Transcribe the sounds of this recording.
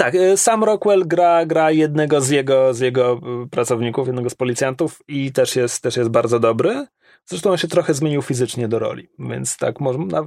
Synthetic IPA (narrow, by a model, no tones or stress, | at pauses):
t̪aksamɾɔkwɛlɡɾaɡɾajɛd̪̚nɛɡɔzjɛɡɔzʲjɛɡɔpɾat̪sɔvɲikufjɛd̪nɛɡɔspɔlʲit̪sʲjant̪ufit̪ɛʂjɛst̪ːɛʂjɛst̪̚baɾd̪zɔd̪ɔbɾɘ | z̥ɾɛʂt̪ɔ̃w̃ɔnɕɛt̪ɾɔxɛzmʲjeɲiwfʲizɘt͡ʂɲɛd̪ɔɾɔ̰lʲḭvʲjɛ̰nt̪st̪a̰kmɔʐna